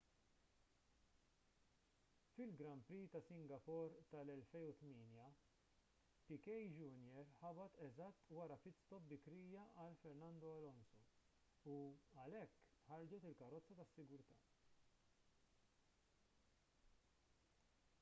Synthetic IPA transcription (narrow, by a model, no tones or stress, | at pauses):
fɪlɡɾɐmpɾiːt̪ɐsɪŋɡɐpɔɾt̪ɐlɛlfɛjnut̪mɪːnjɐ | pɪkɛjd͡ʒʊnjɛɾħɐbɐt̪ɛzɐt̪ːwɐɾɐpɪt̪st̪ɔp̚bɪkɾiːjɐʔɐlfɛɾnɐnd̪ɔɐlɔnsɔ | uɐlɛkːħɐɾd͡ʒɔt̪ɪlkɐɾɔt͡sːɐt̪ɐsːɪɡʊɾt̪ɐː